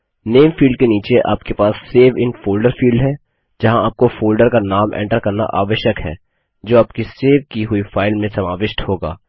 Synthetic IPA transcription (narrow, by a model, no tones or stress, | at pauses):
neːmfiːlɖ̚keniːt͡ʃeʔa̰ːpkepaːsːeːʋɪ̃nfoːlɖəɾfiːlɖɦɛː | d͡ʒɐɦãaːp̚kofoːlɖəɾkanaːmʔɛ̰̃ːɳʈəɾkɐɾna̰ʔaːʋəʃjəkɦɛ̰ː | d͡ʒoːaːp̚kiseːʋkiɦʊifaːɪlmẽsɐmaːʋɪʃʈhoːɡa̰ː